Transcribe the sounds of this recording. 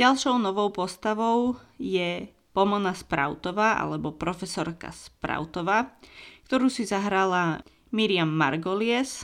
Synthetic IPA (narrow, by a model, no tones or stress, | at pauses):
ɟalʃɔʊnɔʋɔʊpɔst̪aʋɔʊjɛ | pɔmɔnaspɾa̰ʊt̪ɔʋaːʔa̰lɛbɔpɾɔfɛsɔɾka̰spɾa̰ʊt̪ɔʋaːkt̪ɔɾuːsizaɦɾala | miɾɪamːa̰ɾɡɔlɪɛs